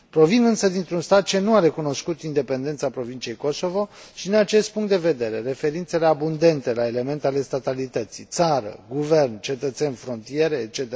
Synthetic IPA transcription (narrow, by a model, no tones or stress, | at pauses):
pɾo̞vinɨnsəd̪int̪ɾunst̪at̪̚t͡ʃe̞nuaɾe̞kuno̞skut̪ind̪e̞pe̞nd̪e̞nt̪sapɾo̞vint͡ʃije̞jko̞so̞vo̞ʃid̪inat͡ʃe̞st̪̚puŋkt̪d̪eve̞d̪e̞ɾe̞ɾe̞fe̞ɾint̪se̞le̞abund̪e̞nt̪e̞laele̞me̞nt̪eale̞st̪at̪alit̪ət̪sit̪saɾə̰ɡuve̞rnt͡ʃe̞t̪ət̪se̞nʲfɾo̞nt̪ije̞ɾe̞ːt͡ʃe̞t̪e